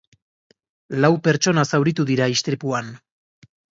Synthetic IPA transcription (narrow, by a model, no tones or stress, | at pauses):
lawpe̞ɾt͡ʃo̞nasawɾit̪uðiɾaist̪ɾipuan